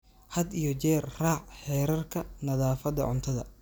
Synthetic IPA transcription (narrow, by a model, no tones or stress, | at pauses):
hɐd̪ijɔt͡ʃɛːrraːʕħɛːɾɐrkʰɐnɐðaːfɐd̪ɐ̰ʕʊ̰nt̪ʰɐðɐ̰